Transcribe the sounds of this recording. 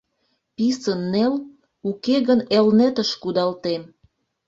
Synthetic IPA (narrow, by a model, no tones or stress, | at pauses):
pisənːel | ukeɣənelnet̪əʃkud̪ɑlt̪em